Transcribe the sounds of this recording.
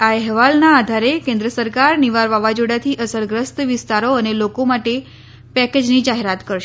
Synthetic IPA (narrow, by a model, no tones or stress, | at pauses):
aɛɦʋalnaːd̪ʱaɾekẽnd̪ɾəsəɾkaɾniʋaɾʋaʋad͡ʒoɽat̪ʰiʔəsəɾɡɾəst̪ʋɪst̪aɾoənelokomaʈe | pɛked͡ʒnid͡ʒaɦeɾat̪kəɾʃ